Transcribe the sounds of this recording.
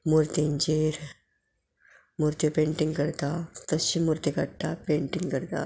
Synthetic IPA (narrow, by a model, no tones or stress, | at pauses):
mʊɾt̪ind͡ʒeːɾ | mʊɾt̪jopẽːɳʈɪ̃ŋɡkɐɾt̪aːt̪ɐʃimʊɾt̪ikɐʈːaːpẽːɳʈɪ̃ŋɡkɐɾt̪a̰ː